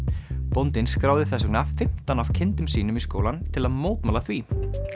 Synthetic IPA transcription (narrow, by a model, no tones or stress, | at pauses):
pont̪ɪnskɾaːwðɪθɛsʏknafɪm̥t̪anaw̥cʰɪnt̪ʏmsiːnʏmisko̰wlant̪ʰɪlaðmoːwt̪maːlaθviː